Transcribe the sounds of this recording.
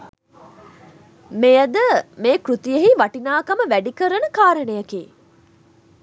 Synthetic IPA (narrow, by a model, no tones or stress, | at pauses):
mejəd̪əmeːkɾut̪ijeɦiʋaʈinaːkɐməʋæɖikəɾənəkaːɾənejɐkiː